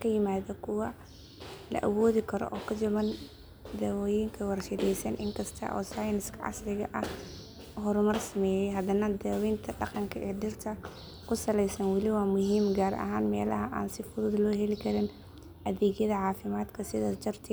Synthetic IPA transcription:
kʰɐjɪmaːðɐkʰʊwɐ | lɐ̰ʔɐwɔːðɪkʰɐɾɔ̰ʔɔːkʰɐd͡ʒɐmɐn | d̪ɛːwjɪŋkʰɐwɑrʃɪd̪ɛjsɐnʔɪŋkʰɐst̪ʰɐ̰ʔɔ̰ːsaːjnɪskʰɐʕɑ̰slɪɣɐʔɐh | ɦɔɾmɐrsɐmɛːjɛjɦɐd̪ɐnɐd̪ɛːwɛnt̪ʰɐɖɑqɑŋkʰɐʔɛːɖɪrt̪ʰɐ | kʰʊsɐlɛjsɐnwɑlɪwaːmʊɦiːmɡaːɾʔɐ̰ɦaːnmɛːlɐɦɐʔa̰ːnsɪfʊðʊðlɔːɦɛlɪkʰɐɾɪn | ʔɐðɛːɣjɐðɐʕɑːfɪmaːd̪kʰɐsɪðɐd͡ʒɐrt̪ʰɪ

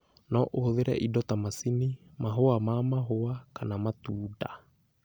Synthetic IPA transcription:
nɔʔohoðeɾɛ̰ʔidɔtamasini | maɦoamamaɦoakanamatuːda

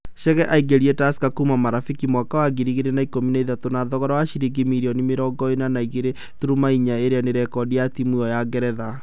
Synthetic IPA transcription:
ʃɛɣɛʔaiɡeɾietasi̥kakumamaɾafikimwakawaɡiɾiɣiɾenaikominaiðatonaðɔɣɔɾawaʃiɾiɡimiɾiɔnimeɾɔɡɔenanaiɣeɾe | tuɾumaiɲaeɾeaneɾɛkɔdiatimwuɔjaɡɛɾɛða

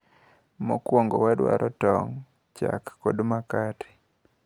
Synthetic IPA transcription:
mɔkwoŋɡowɛdwa̰ɾʔɔtɔŋ | t͡ʃakːodmakatʰɪ̥

